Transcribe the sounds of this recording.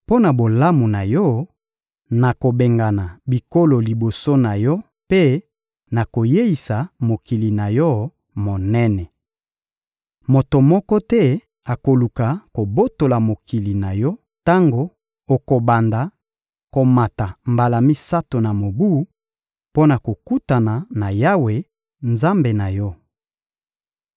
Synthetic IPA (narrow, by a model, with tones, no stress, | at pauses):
po˦na˨bo˨la˦mu˨na˨jɔ˦ | na˨ko˨be˨ŋɡa˨na˨bi˨ko˦lo˨li˨bo˨so˦na˨jɔ˦ | pe˦ | na˨ko˨je˦i˨sa˨mo˨ki˨li˨na˨jɔ˦ | mo˨nɛ˦nɛ˨ | mo˨to˨mɔ˦kɔ˦tɛ˦ | a˨ko˨lu˨ka˨ko˨bo˦to˨la˨mo˨ki˨li˨na˨jɔ˦ | ta˦ŋɡo˨ | o˨ko˨ba˨nda˨ | ko˨ma˨ta˨mba˨la˨mi˦sa˦to˨na˨mo˨bu˦ | po˦na˨ko˨ku˦ta˨na˨na˨ja˦we˨ | nza˦mbe˨na˨jɔ˦